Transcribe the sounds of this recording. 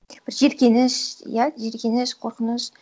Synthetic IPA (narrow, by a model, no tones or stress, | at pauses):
b̥ɪɾʒe̞ɾkʲe̞nɪʃjaʒe̞ɾkʲe̞nɪʃqʰo̞ɾqənəʃ